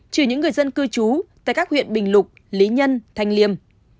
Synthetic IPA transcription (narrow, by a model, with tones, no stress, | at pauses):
t͡ɕɨ˧˩ɲɨ̰˧˥ŋːɨ˨˩əjzə˧nkɨ˧t͡ɕu˨˦t̪a̰ː˧˨kaː˦˥k̚hwḭ˧˨ənɓï˨˩ŋ̟lʊ˨˩k͡p̚ | li˨˦ɲə˧nt̪ʰa˧jŋ̟li˧əm